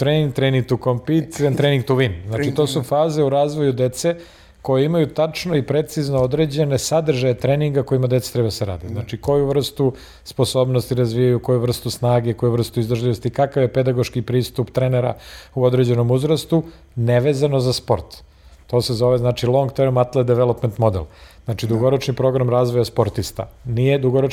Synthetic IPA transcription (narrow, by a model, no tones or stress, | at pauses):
t̪ɾeniŋɡ̚t̪ɾeniŋɡ̚t̪ukompit̪ent̪ɾeniŋɡ̚t̪uʋimznaːt͡ʃit̪osufaːze̞uɾaːzʋo̞jud̪et̪se̞ | ko̞jeimajut̪at͡ʂno̞ipɾe̞t̪siznood̪ɾe̞d͡ʑe̞ne̞sad̪r̩ʒajet̪ɾeːniŋɡako̞imad̪t̪se̥t̪ɾebad̪aseɾa̰ːd̪iznat͡ʃiko̞juʋr̩st̪u | spo̞so̞ːbnost̪iɾazʋijajuko̞juvr̩st̪usnaːɡe̞ko̞juʋr̩st̪uizd̪rʒlʲiʋo̞st̪ikakaʋje̞ped̪aɡo̞ʃkipɾiːst̪upt̪ɾeneɾa̰uod̪ɾed͡ʑe̞no̞muzɾast̪u | neʋeːzano̞zaspo̞ɾt̪ | t̪o̞ːsezo̞ʋeznaːt͡ʃilˠo̞ŋɡt̪eɾmat̪lˠed̪eʋelˠo̞pment̪mo̞d̪elznaːt͡ʃid̪uɡo̞ɾot͡ʃnipɾo̞ɡɾamɾazʋojaspo̞ɾt̪ist̪a̰nijed̪uɡoɾo